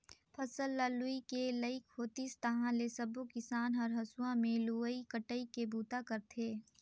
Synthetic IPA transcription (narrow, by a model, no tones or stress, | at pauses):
pʰɐsəlːaːluikeləɪkʰːoːt̪ist̪ɐɦãlesɐbokɪsaːnɦɔɾɦɐsuãmẽluːəikəʈəikebʱuːt̪akɐɾt̪ʰeː